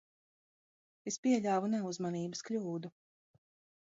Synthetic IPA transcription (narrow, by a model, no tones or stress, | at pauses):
espiɛʎʲaːvunɛuzmaniːbəsklʲuːd̪u